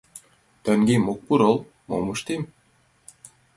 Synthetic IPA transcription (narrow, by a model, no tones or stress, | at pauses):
t̪ə̆ŋɡemuk̚puɾɤl | mo̰mɤʃt̪em